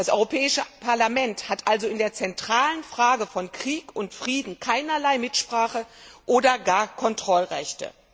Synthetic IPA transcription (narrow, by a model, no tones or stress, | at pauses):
d̥asʔɔ̰ʏʁopʰɛːɪʃəpʰaɐlamɛnthatʔalzoɪndeːɐt͡sɛntʁ̥aːlənfʁ̥aːɡəfɔnkʁ̥iːkʊntfʁ̥iːdn̩kʰaɪnɐlaɪmɪtʃpʁ̥aːχəʔoːdɐɡaːɐkʰɔntʁ̥ɔlʁɛçtə̰